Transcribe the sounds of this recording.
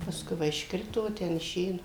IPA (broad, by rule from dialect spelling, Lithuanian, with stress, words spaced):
pɐˈskʊɪ ˈʋɐ ɪʃˈkrʲɪtoː ˈtʲɛn ɪˈʃʲeː ˈnʊ